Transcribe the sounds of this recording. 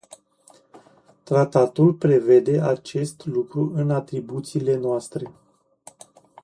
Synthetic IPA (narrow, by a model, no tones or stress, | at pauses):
t̪ɾat̪at̪ulpɾe̞ve̞d̪e̞at͡ʃe̞st̪lukɾuʔɨnat̪ɾibut̪siːle̞noast̪ɾe̞